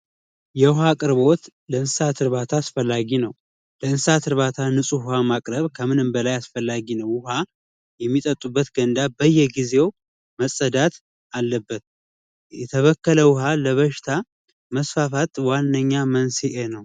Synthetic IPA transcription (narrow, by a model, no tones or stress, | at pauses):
jɛhakʼɨɾβo̞t̪ləɨnsat̪ʰɨɾβat̪ʰaːsfəlːaɡinəw | ləɨnsat̪ʰɨɾβat̪ʰanɨsʼuhʊhamakʼɾəβkʰəmɨnɨmbəlajasfəlːaɡinəwːʊɦa | jɛmːit̪ʼət̪ʼːubːət̪ɡənd̪abəjːɛɡize̞w | məsʼəd̪at̪ | alːəbːət̪̚ | jɛt̪ʰəβəkːələwʊɦaləβəʃɪ̥t̪ʰa | məsfafat̪wanːəɲːamənseʔenəw